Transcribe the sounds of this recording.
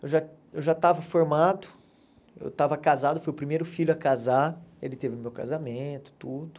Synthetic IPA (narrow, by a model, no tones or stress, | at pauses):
ewʒa | ewʒat̪avɐfoɾmad̪ʊ | ḛwt̪avɐakazad̪ʊfojʊpɾimejɾʊfiʎʊɐkazaelɪt̪evɪʊmewka̰zamẽt̪ʊ̥t̪ud̪ʊ